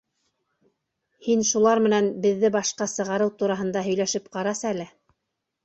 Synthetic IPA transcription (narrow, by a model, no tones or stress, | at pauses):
hinʃulˠɑɾmɘ̆nænbɘ̆ðːɘbɑʃqɑsɤ̆ʁɑɾɤwt̪uɾɑɦɤ̆nd̪ɑɦɵ̆jlæʃɘpqɑɾɑsælɘ